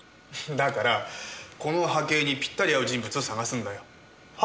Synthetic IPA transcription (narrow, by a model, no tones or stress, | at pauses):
d̪akaɾako̞no̞ɦake̞ːɲ̟ipʲi̥t̪ːaɾʲijaɯd͡ʑĩmbɯ̟t͡sɨo̞saɡasɨ̃nd̪ajo̞